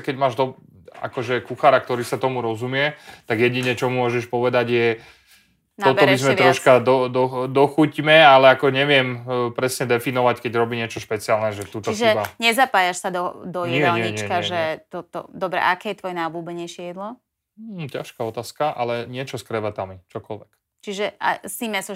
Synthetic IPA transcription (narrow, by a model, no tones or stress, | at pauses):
kɛɟmaːʒd̪ɔ | a̰kɔʒɛkuxaːɾak̚t̪ɔɾiːsat̪ɔmuɾɔzumɪɛt̪aɡjɛɟiɲɛt͡ʃɔmumʊɔʒɛʃpɔʋɛd̪aɟjɛ | nɔt̪ɔbiizmɛɾɔʃkad̪ɔd̪ɔd̪ɔxucimɛalɛakɔɲɛʋɪɛmpɾɛsɲɛd̪ɛfinɔʋackɛɟɾɔbiɲɪɛt͡ʃɔʃpɛt͡siaːlnɛʒɛt̪uːt̪ɔisʒɛaɲɛzapaːjaʃsad̪ɔd̪ɔjɲɪɛɲɪɛiɲt͡ʃɛkaʒɛt̪ɔt̪ɔ̰d̪ɔbɾɛ̰ʔakɛːjɛt̪ʋɔjɛnaɔbluːbɛɲɛjʃɪjɛd̪lɔ | ca̰ʃkaɔt̪aːskaʔa̰lɛɲɪɛt͡ʃɔskɾɛʋat̪amit͡ʃɔkɔlʋɛk | t͡ʃiʒɛa̰simɛsɔ